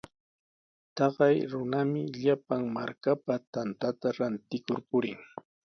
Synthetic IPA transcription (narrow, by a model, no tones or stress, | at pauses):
t̪ɑɢɑjɾʊnamɪʎapaŋmaɾkapat̪ant̪at̪aɾant̪ɪkʊɾpʊɾɪ̰ŋ